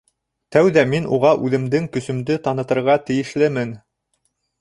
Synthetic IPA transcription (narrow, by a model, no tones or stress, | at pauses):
t̪æwðæminuʁɑʔʉðɘ̆md̪ɘŋkɵ̆sɵ̆md̪ɘt̪ɑnɤ̆t̪ɤ̆ɾʁɑt̪ɘ̆jɘ̆ʃlɘmɘn